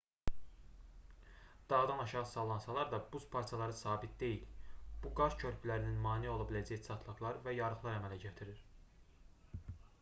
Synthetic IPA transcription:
d̪̥ɑʁɯd̪ɑnɑʃɑʁɯsɑlˠɑnsɑlˠɑɾd̪ɑbuspʰɑɾt̪ʰijɑlˠɑɾɯsɑːbit̪̚d̪e̞jilb̥uɡɑɾcʰø̞ɾpʰylæɾininmɑːnio̞lˠɑbilæd͡ʒæjsʰɑt̪ʰlˠɯɣlˠɑɾvæjɑɾɯχlˠɑɾæmælæɟæt̪ʰiɾiɾ

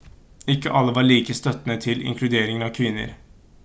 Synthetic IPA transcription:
ɪkːəʔɑlːəʋɑɭiːkəst̪œt̪nət̪ʰɪlɪ̰ŋkʰlʉd̪eːɾɪŋənɑʋkʰʋɪnːə̰ɾ

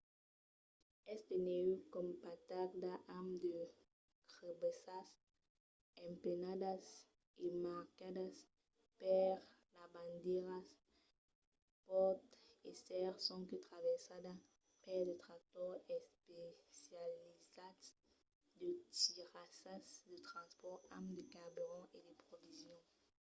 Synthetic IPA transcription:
ɛst̪eneykɔmpat̪akd̪aʔamd̪ə | ʁebesas | ɛ̃mpenadas | emaʁkadas | pɛʁ | labãnd̪eʁas | pɔt̪esɛʁsɔ̃kət̪χavɛʁsad̪a | pɛʁd̪ət̪χak̚t̪ɔʁɛspesjalizat̪ | d̪ətiʁasasd̪ət̪χɑ̃spɔʁa̰md̪əkabyʁɔ̃ed̪əpχovizjɔ̃

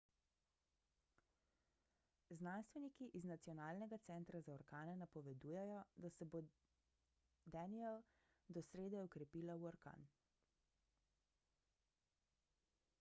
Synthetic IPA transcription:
znanst̪ʋɛnikiʔiznat̪siɔnaːlnɛɡat̪sɛnt̪ɾazaɔɾkaːnɛnapɔʋɛd̪uːjɛjɔd̪asɛbo | d̪aniɛl | d̪ɔsɾeːd̪ɛɔkɾɛpiːlawɔɾka̰ːn

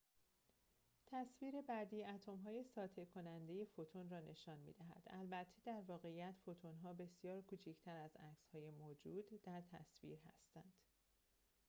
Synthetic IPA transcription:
t̪ʰæsviːɾe̞bæd̪iːæt̪ʰo̞mɦɒːjesɒːt̪ʰe̞kʰo̞nænd̪e̞je̞fot̪ʰonrɒːnʔe̞ʃɒːnmḭːd̪æɦæ̰d̪̥ælbæt̪ʰːed̪æɾvɒːɣe̞ijæt̪fo̞t̪ʰonɦɒːbe̞sjɒːɾkʰuːt͡ʃʰicʰt̪ʰæɾæzæcshɒːje̞moːd͡ʒuːd̪ːæɾt̪ʰæ̰svḭːɾɦæ̰st̪ænd̪̥

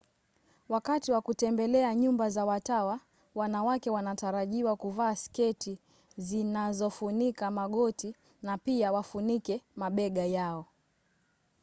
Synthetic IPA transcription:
wakatiwakutɛmbɛlɛaɲumbazawatawa | wanawakɛwanataɾaʄiwakuvaːskɛti | zinazɔfunikamaɠɔti | napiawafunikɛmaɓɛɠajaɔ

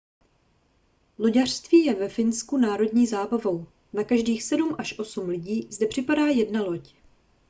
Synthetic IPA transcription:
lo̞ɟar̥st̪viːjɛvɛfɪnskunaːɾo̞dɲiːzaːbavo̞w | nakaʒdiːxsɛdumʔaʃʔo̞sumlɪɟiːzdɛpr̥ɪpadaːjɛdnalo̞c

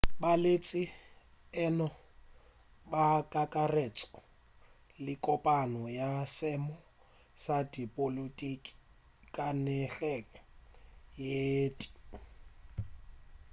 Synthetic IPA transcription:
balet͡sʼɪ | ɛnɔ | bakʼakʼaret͡sʼɔ̥ | lɪkʼɔpʼanɔjasɛmɔ | sadipʼolutʼikʼi̥ | kʼanɛɬɛka | jeːtʼi̥

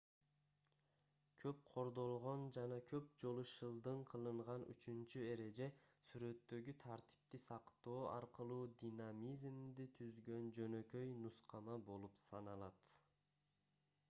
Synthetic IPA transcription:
kʰøp̚qʰo̞ɾd̪o̞lˠʁo̞nd͡ʒɑnɑkʰø̞p̚d͡ʒo̞lˠuʃɯlˠd̪ɯɴqʰɯlˠɯɴʁɑny̰t͡ʃynt͡ʃye̞ɾe̞d͡ʒe̞syɾø̞t̪ːø̞ɡyt̪ʰaɾt̪i̥p̚t̪isɑqt̪o̞ːɑ̰ɾqɯlˠuːd̪ʲinamizmd̪it̪ʰyzɡø̞nd͡ʒø̞nø̞kø̞jnusqɑmɑbo̞lˠupsɑ̰nɑlˠɑt̪

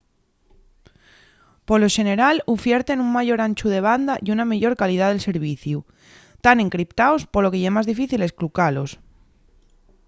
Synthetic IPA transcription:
po̞lo̞ʃe̞ne̞ɾalufjeɾt̪e̞nuŋmaʝo̞ɾant͡ʃuð̞e̞β̞and̪aʔiunameʎo̞ɾkalið̞aðelse̞ɾβ̞iθju | t̪ane̞ŋkɾipt̪aospolo̞keʝemazðifiθile̞sklukalo̞s

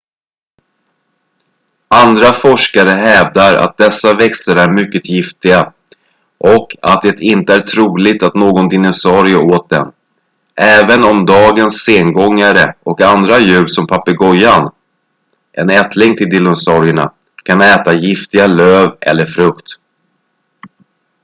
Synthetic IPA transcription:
and̪ɾafɔʂkaɾəɦɛːvd̪aɾa̰t̪̚d̪ɛsːavɛkst̪əɾæɾmʏkːət̪jɪft̪ɪɡa | ʔɔka̰t̪̚d̪ɛt̪ɪnt̪əæʈʰɾuːlɪt̪at̪noːɡɔnd̪ɪnʊsɑːɾɪʊoːt̪̚d̪ɛ̰n | ʔɛːvənɔmd̪ɑːɡənsːeːŋɡɔŋːaɾəɔkand̪ɾajʉ̟ːɾsɔmpʰapːəɡɔjːan | ʔɛnɛt̪ʰlɪŋt̪ʰɪld̪ɪlːʊsɑɾɪəɳa̰ | kʰanɛːt̪ajɪft̪ɪɡaløːvɛ̰lːəɾfɾɵkt̪

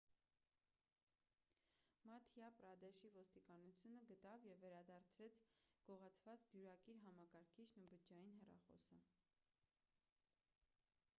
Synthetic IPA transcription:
mɑt̪ʰjɑpɾɑd̪ɛʃivɔst̪ikɑnut͡sʰjunəɡət̪ɑvjɛvːɛɾɑd̪ɑɾt͡sʰɾɛt͡sʰɡ̥ɔʁɑt͡sʰvɑt͡sd̪juɾɑkiɾɦɑmɑkɑɾkʰiʃnəbəd͡ʒɑjinɦɛrɑ̰χɔ̰sə

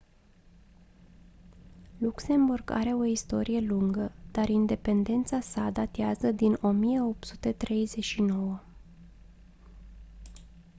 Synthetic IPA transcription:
lukse̞mburɡa̰ɾe̞o̞ist̪o̞ɾije̞luŋɡəd̪̥aɾind̪e̞pe̞nd̪e̞nt̪sasad̪at̪iazəd̪ino̞mije̞o̞p̚t̪su̥t̪e̞t̪ɾe̞jze̞ʃino̞wə

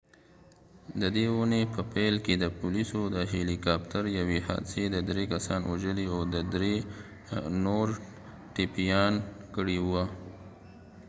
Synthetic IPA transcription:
d̪əd̪eunepəpelked̪əpʊlisod̪əɦelikɑp̚t̪aɾjaweha̰d̪sed̪əd̪ɾekasɑnwaʒəliawd̪əd̪ɾe | noɾ | ʈɪpijɑnkəɽiwwa

